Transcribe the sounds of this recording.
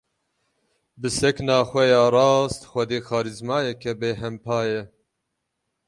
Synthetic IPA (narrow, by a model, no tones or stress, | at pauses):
bɨsɛknɑːxʷɛjɑːrɑːst̪xʷɛd̪eːxɑːɾizmɑːjɛkʰɛbeːɦɛmpʰɑːjɛ